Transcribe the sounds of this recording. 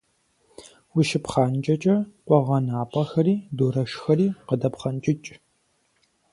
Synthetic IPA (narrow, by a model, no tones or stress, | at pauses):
wiʃɪpχaːnt͡ʃʼɐt͡ʃʼɐqʷɔʁɐnaːpʼɐxɐriːdoːɾɐʃxɐɾiːqədɐpχɐnt͡ʃʼɪt͡ʃʼ